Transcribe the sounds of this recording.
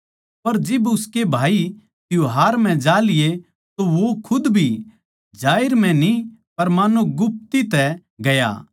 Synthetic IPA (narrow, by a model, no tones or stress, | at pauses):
pɐɾd͡ʒɪbʊskebʱaːi | t̪ɪjoɦaːɾm̤ɛ̃d͡ʒaːlɪje | t̪oʋokʰʊd̪bʱi | d͡ʒaːɪɾm̤ɛ̃nipɐɾmaːnoɡʊp̚t̪it̪ɛ | ɡɐja̰